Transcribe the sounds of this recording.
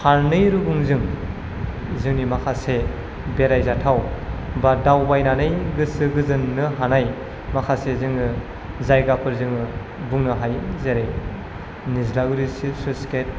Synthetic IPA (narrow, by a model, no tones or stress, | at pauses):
haɾnɯjɾuɡuŋzɯŋ | zɯŋnimakʰase | beɾajzatʰawbadawbajnanɯjɡɯsɯɡɯzɯnːɯɦanaj | makʰasezɯŋɯ | zajɡapʰɯɾzɯŋɯ | buŋnɯɦajzeɾe | nizlaɡɾisisusket̚